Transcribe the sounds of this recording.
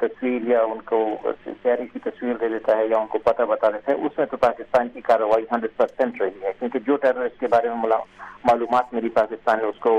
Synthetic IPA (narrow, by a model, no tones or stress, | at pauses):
t̪ɐswiːɾjaʊnkot̪jaːɾikit̪ɐswiːɾd̪eːd̪eːt̪aɦɛjaʊnkopɐt̪abɐt̪aːd̪et̪ɦɛʊsmẽt̪opaːkɪst̪aːnkikaːɾəʋaːiɦɐ̃ɳɖɾəɖ̚pɐɾsɛ̃ɳʈɾɐɦiɦɛkjõːked͡ʒoːʈɛːɾoɾɪsʈ̚kebaːɾemẽmlamaːluːmaːt̪meːɾipaːkɪst̪aːnːẽʊsko